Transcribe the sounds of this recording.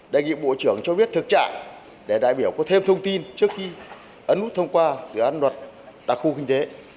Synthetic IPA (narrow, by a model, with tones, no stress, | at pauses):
ɗe˧˨˩jŋḭ˧˨ɓo̰˧˨t͡ɕɨ˧˩əŋt͡ɕɔ˧ɓi˦˥ət̚t̪ʰɨ˨˩k̚t͡ɕaː˧˩ | ɗe˧˩ɗa̰ː˧˨jɓi˧˩əwkɔ˨˦t̪ʰe˧mt̪ʰə˧wŋ͡mt̪i˧nt͡ɕɨ˦˥ək̚xi˧ | ʔə˨˦nʔu˦˥t̚t̪ʰə˧wŋ͡mkwaː˧zɨ̰˧˥ʔaː˨˦nlwə˨˩t̚ɗa˨˩k̚xu˧ki˧ŋ̟t̪e˨˦